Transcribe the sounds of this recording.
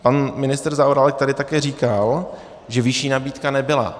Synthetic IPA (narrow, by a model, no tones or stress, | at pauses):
panmɪnɪst̪rzaoɾalɛk̚t̪adɪt̪akɛːriːkal | ʒɛvɪʃiːnabiːt̪kanɛbɪla̰